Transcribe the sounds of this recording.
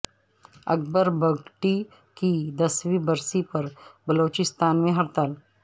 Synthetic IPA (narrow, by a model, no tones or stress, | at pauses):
ɐ̰k̚bəɾbɐɡʈi | kid̪ɐswibɐɾsipɐɾbɐloːt͡ʃɪst̪aːnmẽɦɐɾt̪aːl